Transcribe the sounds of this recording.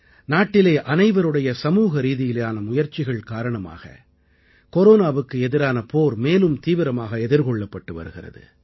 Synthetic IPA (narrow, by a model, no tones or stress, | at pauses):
naːʈːɪlɐːʔɐnɐɪʋɐɾɯɽɐjɐsɐmuːɣɐɾiːðɪjɪlɐjaːnɐmʊjɐɾt͡ʃɪɣɐɭkaːɾɐɳɐma̰ːɣɐ̰ | kɔɾoːnaːʋɯkːɯɛðɪɾaːnɐpoːɾmeːlɯmt̪iːʋɪɾɐmaːɣɐɛðɪɾkɔɭːɐpːɐʈːɯʋɐ̰ɾɯɣɪrɐ̰ðɯ̰